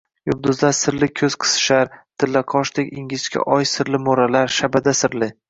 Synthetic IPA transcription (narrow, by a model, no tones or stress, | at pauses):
jʊbd̪ʊzlaɾsɪɾlɪkʲʰɵz̥qʰɨ̥sɪ̥ʃaɾt̪ʰɪlːaqʰɒʃt̪ɪkʲɪŋʲɪt͡ʃkʲʰa̰ʔɒjsɪɾlɪmoɾalaɾʃabad̪asɪɾlɪ